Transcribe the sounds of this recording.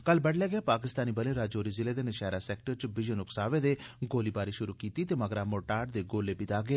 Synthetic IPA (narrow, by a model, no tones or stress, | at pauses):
kəlbəɽlɛːɡɛeːpaːkɪst̪aːniːbəleːɾaːd͡ʒoːɾiːzɪleːd̪eːnɪʃaːɾaːsɛːk̚ʈəɾt͡ʃʋɪd͡ʒənʊksaːʋeːd̪eːɡoːliːbaːɾiʃʊɾuːkiːt̪iːt̪eːməɡɾaːmoːʈaːɖd̪eːɡoːleːbɪt̪aːɡeː